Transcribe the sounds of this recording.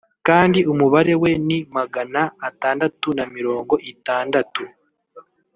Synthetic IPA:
kaːndiʔumuβaɾe̞we̞nimaɡanaːtaːndatunamiɾo̞ːŋɡo̞ʔitaːndatu

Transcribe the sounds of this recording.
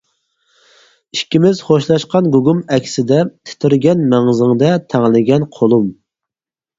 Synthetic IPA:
iʃkʲimɪz̥χoʃlˠɑʃqɑnɡuɡumɛkʲʰsɪd̪ɛt̪ʰɪ̥t̪ʰɪɾɡʲɛnmɛŋɨzɪŋd̪ɛt̪ʰæŋlɪɡʲɛnqʰolˠum

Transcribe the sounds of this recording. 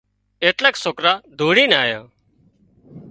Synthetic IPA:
eːʈlɛːksoːkɾaːd̪ʱuːɽiːnaːjã̰ː

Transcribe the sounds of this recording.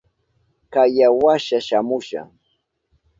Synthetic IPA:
kajawaʃaʃamʊʃa̰ŋ

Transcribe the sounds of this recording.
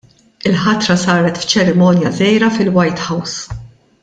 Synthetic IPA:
ɪlħɐt̪ɾɐsɐːɾɛt̪ft͡ʃɛɾɪmɔːnjɐzɛjɾɐfɪlwɐjt̪ħɐws

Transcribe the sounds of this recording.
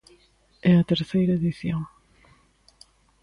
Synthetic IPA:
ɛɐt̪eɾθejɾɐeðiθjoŋ

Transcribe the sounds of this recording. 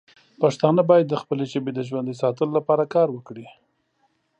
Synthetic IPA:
paʂt̪ɑnəbɑjad̪ːəxpəlet͡ʃabed̪əʒwand̪isɑt̪əlolapɑɾakɑɾwəkɽi

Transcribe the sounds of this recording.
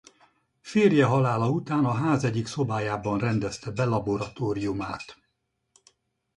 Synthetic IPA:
feːrjɛɦɒlaːlɒut̪aːnɒɦaːzɛɟːikso̞baːjaːbɒnrɛnd̪ɛst̪ɛbɛlɒboɾɒt̪oːɾijumaːt̪

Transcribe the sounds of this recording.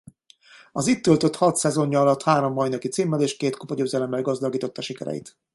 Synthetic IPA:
ɒzit̪ːølt̪ø̞t̪hɒt̪sɛzo̞ɲːɒɒlɒt̪haːɾo̞mːɒjnɒkit̪siːmːɛleːʃkeːt̪kopɒɟøːzɛlɛmːɛlɡɒzd̪ɒɡiːt̪o̞t̪ːɒʃikɛ̰ɾɛ̰jḭt̪

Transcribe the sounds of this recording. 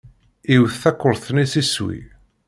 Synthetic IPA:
iwθθækʷːəɾˤθnisiswḭ

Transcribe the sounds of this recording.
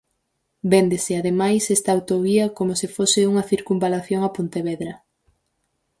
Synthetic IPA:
bend̪esɪaðemajsɛst̪ɐːwt̪oβiɐkomosifosɪuŋɐθiɾkumbalaθjoŋɐpont̪eβeðɾɐ

